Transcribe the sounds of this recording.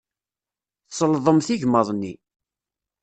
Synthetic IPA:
θsˤəlðˤəmθiʝmɑðˤnːi

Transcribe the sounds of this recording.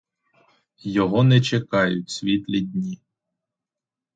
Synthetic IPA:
jɔɦɔnɛt͡ʃekɑjʊtʲsʲʋʲit̪lʲidʲnʲi

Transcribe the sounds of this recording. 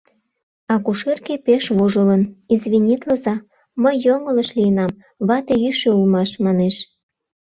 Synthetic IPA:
ɑkuʃerkepeʃβoʒələnizβinʲit̪ləzɑ | məjːoŋə̆ləʃlijənɑm | βɑt̪eyʃøulmɑʃmɑneʃ

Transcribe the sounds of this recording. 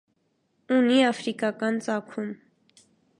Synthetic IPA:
uniɑfɾikɑkɑnt͡sɑkʰum

